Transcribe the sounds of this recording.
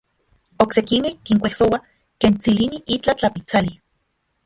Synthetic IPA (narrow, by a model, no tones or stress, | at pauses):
oksekimekiŋkʷehsowa | keːnt͡siliniʔit͡ɬat͡ɬapit͡sali